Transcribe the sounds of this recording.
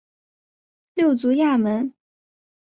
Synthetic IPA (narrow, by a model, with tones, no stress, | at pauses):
ljo˥˩ʊt͡su˧˥ja˥˩mə˧˥n